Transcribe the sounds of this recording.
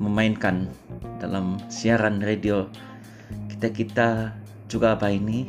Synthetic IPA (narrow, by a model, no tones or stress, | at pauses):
məmainkanda̰lamsiaɾanredio | ki̥t̪akit̪a | d͡ʒuɡabaini